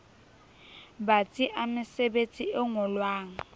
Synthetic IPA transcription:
bat͡sʼiʔamɪsebet͡sʼiɪŋʊlwaːŋ̩

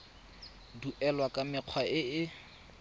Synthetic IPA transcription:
duʔɛlwakʼamɪq͡χʰwaʔɪɪ

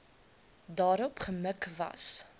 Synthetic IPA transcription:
dɑːɾɔpχəməkvɐ̰s

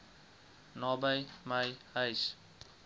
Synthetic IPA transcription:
nɔbajmajajs

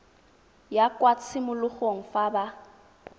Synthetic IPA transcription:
jakʼwat͡sʰɪmʊlʊχoŋ̩faba

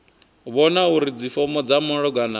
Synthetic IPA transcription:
βɔnauɾid͡zifɔmɔd͡zamɔɺɔɡana

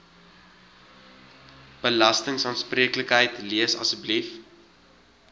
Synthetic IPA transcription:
b̥əlɐstəŋsɑːnspriəkləkɦəjtliəsɐ̰səblif

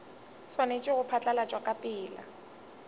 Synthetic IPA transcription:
swanet͡ʃʼɪɣʊpʰat͡ɬʼalat͡ʃʼwakʼapʼɪːla̰

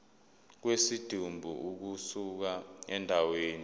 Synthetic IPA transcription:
k̬wesid̥ʱumbʱuuk̬usuk̬aɛndʱaweːni

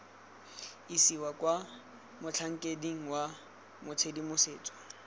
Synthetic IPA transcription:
isiwakʼwa | mʊt͡ɬʰaŋ̩kʼediŋ̩wa | mʊt͡sʰedimʊseːt͡sʼɔ̥

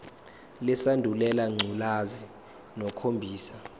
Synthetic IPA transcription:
lɛsandʱulɛlaŋ͡ǀʱulazi | nɔkʰombʱiːsḁ

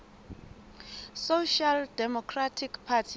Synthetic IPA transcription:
soʃaldɛmɔkʰratʰikpʰatʰi

